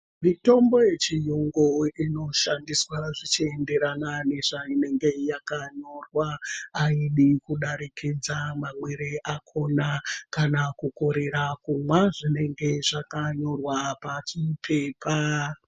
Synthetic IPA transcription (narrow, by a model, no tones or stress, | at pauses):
mito̞mbo̞je̞t͡ʃijoŋɡoino̞ʃandiswaʐit͡ʃie̞nde̞ɾanane̞ʐaine̞ŋɡe̞jakaɲo̞rwaːiɗikuɗaɾikʰid͡zamamweɾeʔakʰo̞nakanakuko̞ɾe̞ɾakumwaʐine̞ŋɡe̞ʐakaɲo̞rwapat͡ʃipʰe̞ːpʰa